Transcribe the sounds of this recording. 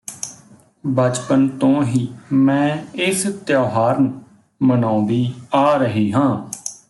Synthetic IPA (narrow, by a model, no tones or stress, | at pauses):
bət͡ʃpənt̪õːɦiːmɛ̃ːɪst̪jaːɦaːɾnə | mənãːnd̪iːaːɾəɦiːɦãː